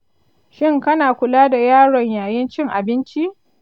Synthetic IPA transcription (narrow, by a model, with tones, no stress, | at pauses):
ʃɪ˦ŋkɐ˦naː˨kʷʊ˨laː˦da˨jaː˦ɽɔ˨ɲjaː˨jɪ˦nt͡ʃɪ˦ŋʔa˨bɪ˦nt͡ʃi˦ʔ